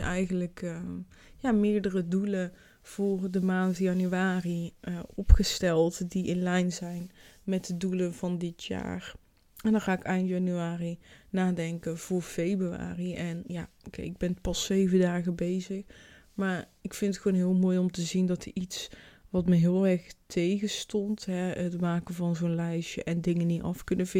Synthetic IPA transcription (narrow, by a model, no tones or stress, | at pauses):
ɛjɣənləkː | jaːmɪːɹdərədulə | v̥ʊːrdəmaːntjanyaːriɔpχəstɛlˠtdiʔɪnlɛjnzɛjnmɛt̚dəduləvɑndɪtʰja̰ːɹ | ɛndɑnχaːɪkɛjntjɑnyaːrinaːdɛŋkənv̥ʊːɹfejbrya̰ːriʔɛnjaːokɪɡ̚bɛnpɑsejvəndaːɣəbejzəx | maːɹɪkfɪntətxʋonɦɪːlˠmoːjɔmtəzindɑtəɹitsʋɑtməɦɪːlˠɛɹxtʰejɣəstɔntɦɛətmaːkənvɑnzonlɛjʃəʔɛndɪŋəniɑ̰fkɵnəvɪ